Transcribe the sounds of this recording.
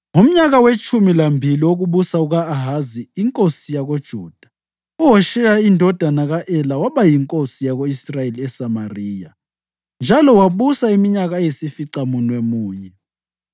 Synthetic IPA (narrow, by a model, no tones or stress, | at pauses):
ŋum̩ɲaɣawet͡ʃʰʼumilambʱiliwoɣuɓusauɣaːɦaziːŋkʼosijaɣod̥ʒ̥ʱuːd̥ʱḁ | uɦɔʃɛjaindʱɔd̥ʱanaɣaʔɛlawaɓajiŋkʼosijaɣoisrajeliɛsamariːja | nd͡ʒʱalɔwaɓusaimiɲaɣajesifiǀamunwemuːɲɛ